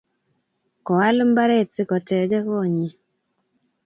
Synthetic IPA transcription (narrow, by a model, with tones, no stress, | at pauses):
kɔ˨wa˦lm̩˦ba˦ɾe˦˨tsɪ˦kɔ˨tɛ˨d͡ʒɛ˦kɔ˦˨ɲi˨